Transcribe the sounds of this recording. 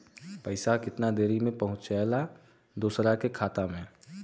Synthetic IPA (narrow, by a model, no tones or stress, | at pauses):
pəɪsakɪt̪nad̪eːɾimẽpəɦʊ̃t͡ʃala | d̪uːsɾakekʰaːt̪amẽ